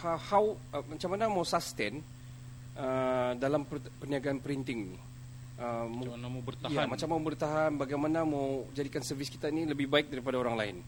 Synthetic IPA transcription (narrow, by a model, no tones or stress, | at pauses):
hahawəmat͡ʃamanamawsast̪ɛn | ʔədalamp | pərniaɡaːnpəɾint̪ɪŋni | ʔəmbərt̪ajamat͡ʃamːabərt̪aɦanbaɡajmanamawd͡ʒadikansərvɪski̥t̪ainiləbɪhbaɪk̚daɾipadaoɾaŋlaɪ̰n